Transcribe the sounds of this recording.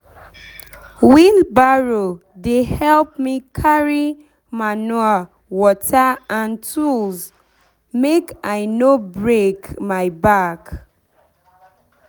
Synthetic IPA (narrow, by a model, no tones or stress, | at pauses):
wĩnbaɹo | dehɛlp̚mikʰaɹi | manua | wɔtaãntʰulz | mekaɪnobɹekmaɪbak